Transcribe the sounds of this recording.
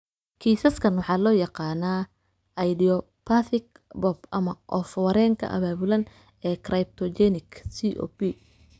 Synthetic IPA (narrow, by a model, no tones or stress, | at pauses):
kʰiːsɐskʰɐnwɑħɑːlɔːjɑqɑːnaː | ʔɐjdijɔ | pʰaθɪk | bɔbʔɐmɐʔɔfwɐɾɛːŋkʰɐ̰ʔɐ̰βaːβʊlɐn | ɛːkʰrɐjp̚t̪ʰɔd͡ʒɛnɪkʰsiʔɔ̰ːbi